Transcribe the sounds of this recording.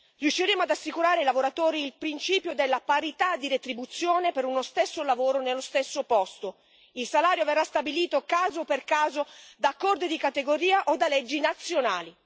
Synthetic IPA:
rjuʃːiɾeːmoad̪asːikuɾaːɾeailavoɾat̪oːɾiːlpɾint͡ʃiːpjod̪elːapaɾit̪ad̪ːiɾet̪ɾibut̪sːjoːnepeɾunost̪esːolavoːɾonelːost̪esːopɔst̪o | ilsalaːɾjoverːast̪abiliːt̪okaːzoperkaːzod̪akːɔrd̪id̪ikat̪eɡoɾiːaʔod̪alɛd͡ʒːinat̪sːjonaːli

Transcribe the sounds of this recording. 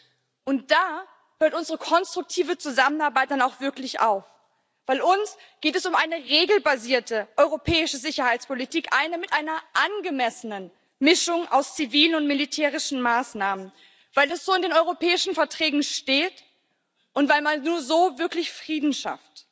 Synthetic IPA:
ʔʊnt̚d̥aː | høːɐtʔʊnzəʁəkʰɔnstʁ̥ʊk̚tʰiːvət͡suzamənaɐbaɪt̚d̥anaʊxv̥ɪɐklɪça̰ʊf | v̥aɪlʊns | ɡ̥eːtɛsʊmʔaɪnəʁeːɡl̩baziːɐtəʔɔʏʁopʰɛːɪʃəzɪçɐhaɪt͡spʰolitʰiːkʔa̰ɪnəmɪtʔaɪnɐʔanɡəmɛsənən | mɪʃʊŋʔa̰ʊst͡siviːlənʊntmilitʰɛːʁ̞ɪʃn̩maːsnaːmən | vaɪlɛsz̥oːɪndeːnʔɔʏʁopʰɛːɪʃn̩fɛɐtʁ̥ɛːɡŋ̩ʃteːt | ʔʊntv̥aɪlmannuːɐzoːvɪɐklɪçfʁ̥iːdn̩ʃa̰ft

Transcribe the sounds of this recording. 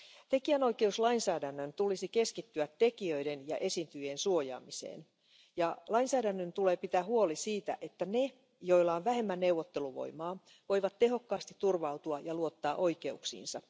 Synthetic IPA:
t̪e̞kiæno̞ike̞uslɑinsæːdænːønt̪ulisike̞skit̪ːyæt̪te̞kiøidenjɑ̰ʔe̞sint̪yjensuo̞jɑ̰ːmisḛːn | jɑlɑinsæːdænːønt̪ule̞ːpit̪æːhuolisiːt̪æ̰ʔe̞t̪ːæne̞ | jo̞ilːɑonʋæɦe̞mːænne̞wʋot̪ːe̞luʋo̞̰jmɑː | ʋo̞jʋɑt̪t̪ːe̞ɦo̞kːɑːst̪i̥t̪ːurʋɑwt̪uɑjɑluo̞t̪ːɑːʔoike̞uksḭːnsɑ

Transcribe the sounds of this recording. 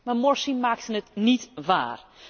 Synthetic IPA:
marmɔɹsimaːk̚tənətnitʋa̰ːr

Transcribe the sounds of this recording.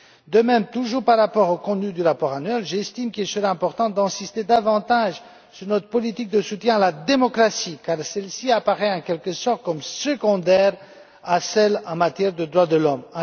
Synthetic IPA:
d̪əmɛmt̪uʒuːʁpaʁːapɔʁokɔ̃t̪nyd̪yʁapɔʁanɥɛlʒɛst̪imkʲilsəʁɛɛ̃pɔʁt̪ɑ̃d̪ɛ̃sist̪ed̪avɑ̃t̪aʒ | syʁnɔt̪χə̥pɔlit̪ik̚d̪əsut̪jɛ̃alad̪emɔkχasikaʁsɛlsiapaʁɛɑ̃kʲɛlkəsɔʁt̪̚kɔmsəɡɔ̃d̪ɛʁ | asɛlɑ̃mat̪jɛʁd̪əd̪ʁwad̪əlɔm̃

